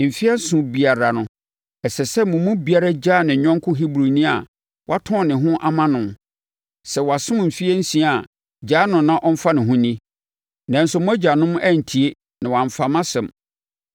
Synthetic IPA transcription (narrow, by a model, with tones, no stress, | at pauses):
m̩˨fi˦ɛ˦sʊ̃˨bi˨a˨ɾa˨nʊ̃˨ | ɛ˨sɛ˨sɛ˦mʊ̃˨mʊ̃˦bi˨a˨ɾa˦d͡ʑaː˦˨nɪ̃˨ɲᶣɔ̃˦ŋ˦kʰʊ˦ɦi˦bɾu˨nĩ˦a˨ | wʔa˦tʰɔ̃˦˨nɪ̃˨ɦʊ̃˦ʔa˦mã˦nʊ̃˨m | sɛ˨wa˨sʊ̃˦m˨m̩˨fi˦e˦n̩˦sĩ˦a˨ | d͡ʑaː˨˦nʊ̃˨nːã˦ʔɔ˦m̩˦fa˦nɪ̃˨ɦʊ̃˦nĩ˦ | nã˨n˦sʊ˦mʊ̃˦æ˦d͡ʑa˨nʊ̃˦m˦æ˦˨n̩˨tʰi˨e˦ | nã˨wã˨ɱ˨fa˨mã˦sɛ̃˨m